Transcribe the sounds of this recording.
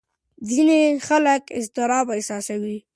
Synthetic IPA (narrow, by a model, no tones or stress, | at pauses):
zinexaləkɪ̰zt̪ɪɾɑbaɪsɑsawi